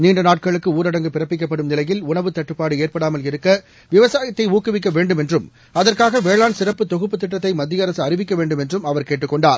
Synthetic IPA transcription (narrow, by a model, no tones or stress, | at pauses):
niːɳɖɐnaːʈ̚kɐɭɯkːɯuːɾɐɽɐŋɡɯpɪrɐpːɪk̬ːɐpːɐɽɯmnɪlɐjɪlʊɳɐʋɯt̪ɐʈːɯpːaːɽɯeːrpɐɽaːmɐlɪɾɯkːɐ | ʋɪʋɐsaːjɐt̪ːɐɪuːkɯʋɪk̬ːɐʋeːɳɖɯmɛndrɯm | ɐðɐrkaːɣɐʋeːɭaːnsɪrɐpːɯt̪ːɔɣɯpːɯt̪ːɪʈːɐt̪ːɐɪmɐd̪ːɪjɐɾɐsɯɐrɪʋɪkːɐʋeːɳɖɯmɛndrɯmɐʋɐɾkeːʈːɯkːɔɳɖaːɾ